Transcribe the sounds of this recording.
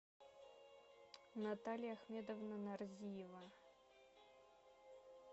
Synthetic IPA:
nat̪ʰalʲjaːxmʲed̪ovnanarzʲijɛva

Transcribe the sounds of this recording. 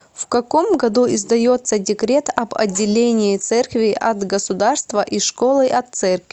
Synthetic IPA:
fkɐko̞mɡɐd̪uɪzd̪ɐjo̞t̪sədʲɪkɾʲe̞t̪ɐbɐ̰dʲːɪlʲenʲɪɪt̪sɛrkvʲɪʔɐt̪ɡəsʊd̪arst̪vəʔiʂko̞lˠɨʔɐt̪sɛrkvʲ

